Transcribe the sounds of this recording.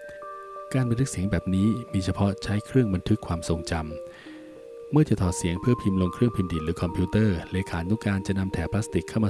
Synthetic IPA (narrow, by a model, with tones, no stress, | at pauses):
kaː˧nmba˧nt̪ʰɯ˦˥ksi˩˦əŋbɛː˨˩p̚niː˦˥miː˧t͡ɕʰa˧pʰɔ˦˥t͡ɕʰa˦˥jkʰɾɯ˥˩əŋba˧nt̪ʰɯ˦˥kʰwaː˧mso˨˧ŋt͡ɕa˧m | ɯ˥˩ɐt͡ɕa˨˩t̪ʰɔː˨˩si˩˦əŋpʰɯ˥˩əpʰi˧mlo˧ŋkʰɾɯ˥˩əŋpʰi˧mdiː˨˩lɯː˩˦kʰɔ˧mpʰi˦˥t̪ɤː˥˩leː˧kʰaː˩˦nːu˦˥kaː˧nt͡ɕa˨˩ʔna˧mt̪ʰɛː˨˩pʰlaː˦˥st̪i˨˩kʰːa˥˩wmaː˧